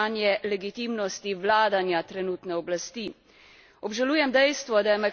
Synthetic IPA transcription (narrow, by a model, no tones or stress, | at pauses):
anjɛlɛɡit̪imnɔst̪iʋlaːd̪anjat̪ɾɛnuːt̪nɛɔblast̪i | ɔbʒaluːjɛmd̪ɛjst̪ʋɔd̪ajɛmɛ